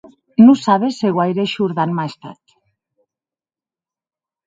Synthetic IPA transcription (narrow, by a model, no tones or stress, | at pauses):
nusaβeseɣwajɾeʃuɾðanmaest̪a̰t̪